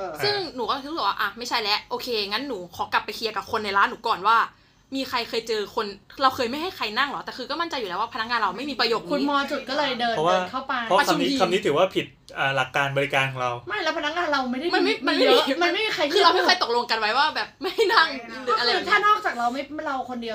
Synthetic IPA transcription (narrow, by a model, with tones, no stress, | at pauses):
sɯ˥˩ŋnuː˩˦kɔː˥˩t̪ʰɯ˦˥bɯː˨˩waː˥ʔa˧˩ma˥˩jt͡ɕʰa˦˥˩jlɛ˦˥ʔʔoː˧kʰeː˧ŋa˦˥nːuː˩˦kʰɔː˩˦kla˨˩pːa˧jkʰi˧ɐka˨˩p̚kʰo˧nːa˧jlaː˦˥nuː˩˦˥kɔː˨˩nwaː˥˩ | miː˧kʰa˧jkʰɤː˧jt͡ɕɤː˧kʰo˧nɾa˧wkʰɤː˧jma˥˩jɦa˥˩jxʰa˧jna˥˩ŋlɔ˨˦˥t̪ɛː˨˩kʰɯː˧kɔː˥˩ma˥˩nt͡ɕa˧juː˨˩ɛː˦˥waː˥˩pʰna˦˥k̚ŋaː˧nɾa˧wma˥˩jmiː˧pɾa˧joː˨˩k̚u˧˦nmɔː˧t͡ɕu˨˩t̪̚kɔː˥˩lɤː˧jdɤː˧ɔ˦˥waː˥˧˩kʰa˥˩wpa˧jʰɔ˦˧˥kʰa˧m˧niː˦˥a˧ni˦˥t̪ʰɯː˩˦waː˥˩pʰi˨˩t̪̚ | ʔaː˨˩la˨˩kːaː˧nbɔː˧ɾi˧˥kaː˧nkɾa˧wma˥˩jlɛ˦˥pʰna˦˥k̚ŋaː˧nɾa˧wma˥˩jda˥˩˨ma˧nma˥˩ma˧nm˥˩˧ma˧nma˥˩jmiː˧kʰa˧jkʰiː˥˧˩ɾa˧wma˥˩ɤː˥˩jt̪o˨˩k̚lo˧ŋka˧nwa˦˥jwaː˥˩bɛː˨˩p̚ma˥˩jha˥˩jna˥˩ŋlʔa˧la˧t̪ʰaː˥˩nɔː˥˩k̚t͡ɕaː˨˩k̚ɾa˧wma˥˩jɾa˧wkʰo˧ndi˧əw